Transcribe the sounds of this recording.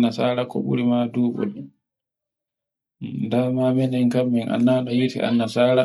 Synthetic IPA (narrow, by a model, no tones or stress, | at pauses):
nːasaːɾakɔ̰ɓṵɾimaduːɓɔ̰lɛ | ndamamɛnɛŋkamːɛna̰nːanɔjitḭʔa̰nːasaːɾa